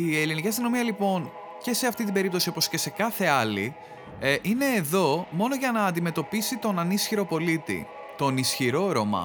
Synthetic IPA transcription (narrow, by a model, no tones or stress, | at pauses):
ieliniciɐst̪ino̞miɐlipo̞n | ce̞se̞ɐft̪int̪ibe̞ɾip̚t̪osio̞po̞sce̞se̞kɐθe̞ɐli | ʔine̞ːðo̞mo̞no̞ʝɐnɐːnd̪ime̞t̪o̞pisit̪o̞nɐnisçiɾo̞po̞lit̪ḭ | t̪o̞nisçiɾo̞ɾomɐ̰